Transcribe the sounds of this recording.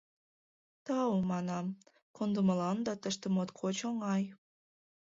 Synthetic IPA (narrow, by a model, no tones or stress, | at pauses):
t̪ɑwmɑnɑm | kʰond̪uməlɑnd̪ɑt̪əʃt̪ĕmot̪kʰot͡ɕoŋɑj